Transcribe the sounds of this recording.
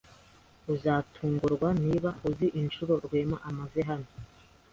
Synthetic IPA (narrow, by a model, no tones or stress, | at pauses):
uzaːtʰuːŋɡuɾɡwaniβauziʔint͡ʃuɾo̞ɾɡwe̞ːmaʔamazeɦano